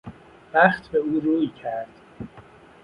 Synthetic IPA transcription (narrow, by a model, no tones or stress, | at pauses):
væχt̪ʰbeuːɾuːjcʰæɾd̪̥